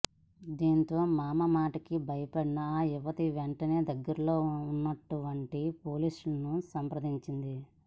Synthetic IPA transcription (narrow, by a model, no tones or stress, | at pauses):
d̪iːnt̪o̞ːmaːmɐmaːʈɐkibʱɐjɐpɐɽinɐiʋɐt̪iʋeɳʈɐne̞ːd̪ɐɡːɐɾɐlo̞ːunːɐʈːuʋɐɳʈipoːliːsulɐnusɐmpɾɐd̪iɲt͡ʃind̪i